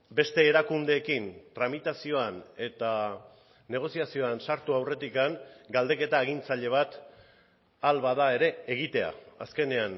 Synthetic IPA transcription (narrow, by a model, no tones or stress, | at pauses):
be̞st̪e̞ːɾakund̪e̞ːkint̪ɾamit̪asio̞ane̞t̪a | ne̞ɣ̞o̞siasio̞ansaɾt̪uawre̞t̪ikaŋɡald̪e̞ke̞t̪aeɣint͡saʎe̞β̞at̪ | alβaðae̞ɾe̞ːɣ̞it̪e̞a̰a̰ske̞ne̞an